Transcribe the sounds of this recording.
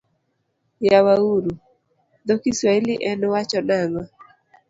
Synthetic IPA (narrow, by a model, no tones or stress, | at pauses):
jawauɾu | d̪okiswailiʔɛnwat͡ʃɔnaŋɔ